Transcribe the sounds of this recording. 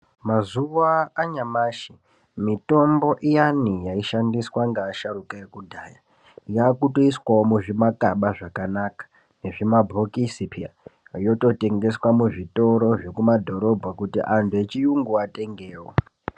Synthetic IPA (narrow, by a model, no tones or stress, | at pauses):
mazuwaːɲamaːʃi | mito̞mbo̞ʔijanijaiʃandiswaŋɡaːʃaɾukaekudʱaːja | jaːkutoiswaomuʐimakaɓaʐakanakḁ | ne̞ʐimabʱokisipija̰ | jo̞to̞te̞ŋɡe̞swamuʐito̞ɾo̞ʐe̞kumadʱo̞ɾo̞bʱakutḭʔantʰue̞t͡ʃijuŋɡuate̞ŋɡeːwo̰